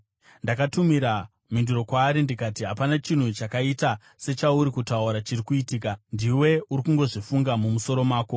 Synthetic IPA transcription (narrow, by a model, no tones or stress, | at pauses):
ndakatumiɾa | minduɾokwaːɾindikatiɦapanat͡ʃin̤ut͡ʃakaita | se̞t͡ʃauɾikutauɾat͡ʃirikuitiːkandiwe̞uɾikuŋɡo̞ʐifuŋɡamumuso̞ɾo̞maːko̞